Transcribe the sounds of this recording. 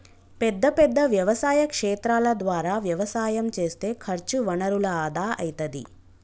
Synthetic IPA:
pɛd̪ːɐpɛd̪ːɐʋjɐʋɐsaːjɐkʂɛːt̪ɾaːlɐd̪ʋaːɾaːʋjɐʋɐsaːjɐmt͡ʃe̞ːst̪e̞ːkʰɐɾt͡ʃuʋɐnɐɾulɐaːd̪aːɐ̰jit̪ɐd̪ḭ

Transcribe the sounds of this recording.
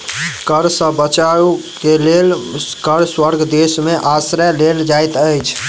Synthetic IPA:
kəɾsə̃bət͡ʃaukelelkəɾswəɾɡʱd̪esmeʔasɾəleld͡ʒajt̪əjt͡ʃʰ

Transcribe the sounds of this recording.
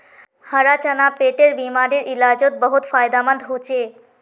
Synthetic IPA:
həɾat͡ɕanapeʈeɾbimaɾeɾʔilad͡ʑot̪̚bəɦut̪fajd̪amə̃nd̪ɦot͡ɕʰe

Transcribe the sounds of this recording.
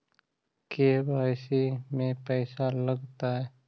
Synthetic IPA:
kebʱaːɪsimẽpɛːsaləɡt̪aɦɛː

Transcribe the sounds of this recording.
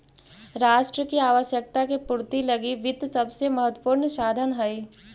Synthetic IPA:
ɾaːʃʈɾəkiaːʋəʃjək̚t̪akepʊɾt̪ilɐɡiʋɪd̪ʱsɐbsemɐɦət̪wəpuːɾnsaːd̪ʱənɦɐe

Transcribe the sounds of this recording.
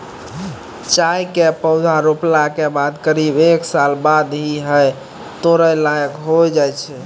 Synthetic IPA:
t͡ʃajkepəʊd̪ʱaɾoplakebad̪kəɾibeksalbad̪ɦiɦəj | t̪oɾəlajəkɦojd͡ʒajt͡ʃʰɛ

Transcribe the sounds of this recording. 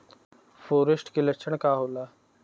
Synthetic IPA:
foːɾesʈkeləkʃʰəɳkaːɦolaː

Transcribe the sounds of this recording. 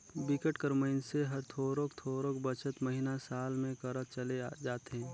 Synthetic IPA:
bɪkəʈkəɾməɪnseɦɐɾt̪ʰoːɾoːkt̪ʰoːɾoːkbət͡ʃət̪məɦinasaːlmẽkəɾət͡ʃɐlead͡ʒaːt̪ɦɛ̃ː

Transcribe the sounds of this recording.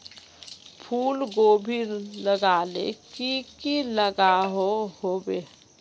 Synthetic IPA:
pʰuːlɡoːbʱiɾləɡaːlḛkikiləɡaɦohobeː

